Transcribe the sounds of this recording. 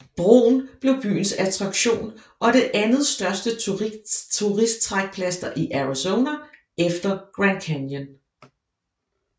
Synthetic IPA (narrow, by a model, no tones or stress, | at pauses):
b̥ʁo̝̰ːn̩b̥le̝ʊb̥y̰ːn̩sæt͡sʰʁɑ̈ɡ̥ɕo̝̰ːn | ʔɒ̽ɾ̥e̝ʔænð̞̩ˠsd̥ɶɐsd̥ə | t͡sʰuʁisd̥̚t͡sʰʁaɡ̥̚pʰlæsd̥ɐʔiʔæʁisoʊnæ | efd̥ɐɡ̥ʁænkʰænjən